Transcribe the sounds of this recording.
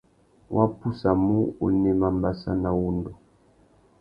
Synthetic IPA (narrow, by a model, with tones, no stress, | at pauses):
wʔa˦pu˦sa˨mu˦ṵ˨nɛ˦ma˨mba˨sa̰˦na˨wu˦ndo˨